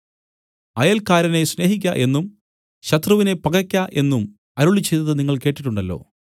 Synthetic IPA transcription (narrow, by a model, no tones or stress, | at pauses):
ɐjɐlkaːɾɐne̞sne̞ːɦik̬ʲːɐʔe̞nːum | ɕɐt̪rɐʋine̞pɐɡɐkʲːaʔe̞nːum | ɐɾuɭit͡ɕːejt̪ːɐðɨniŋːɐɭke̞ːʈːiʈːuɳɖɐlːo̞̰ː